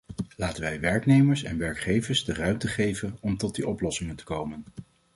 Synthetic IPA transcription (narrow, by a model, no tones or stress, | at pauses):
laːtənʋɛjʋɛɹknejməɹsɛ̰nʋɛɹkχejvəɹzdərœɥmtəχejvənɔmtɔt̚diʔɔplɔsɪŋəntə̥kowmən